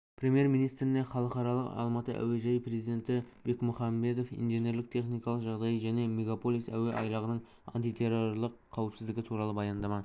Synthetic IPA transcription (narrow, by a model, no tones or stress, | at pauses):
prʲe̞mije̞ɾmijnijst̪ɾɪne̞χɑlˠəqɑɾɑlˠəqɑ̰lˠmɑt̪ə̰ʔæ̰weʒɑjəpre̞zid̪e̞nt̪ɪbe̞kmʊχɑmːe̞d̪ofḭnʒene̞ɾlɪk̚t̪ʰe̞χnijkɑlˠəqʒɑʁd̪ɑjəʒæne̞me̞ɡapo̞lˠisæ̰weʔɑjlˠəʁənəɴ | a̰nt̪ijt̪ʰe̞ro̞rlˠəqʰːɑwɪpsɪzd̪ɪɡʲɪt̪ʰuɾɑlˠəbɑjɑnd̪ɑmɑn